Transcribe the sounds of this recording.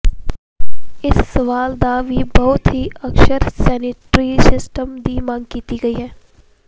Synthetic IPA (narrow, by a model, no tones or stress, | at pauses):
ɪsːɐʋaːld̪aʋiːbɐɦʊt̪ɦiɐkʃəɾsɛːnɪʈɾisɪsʈəmd̪iːmãːŋɡkiːt̪iɡɐiɦɛ̃ː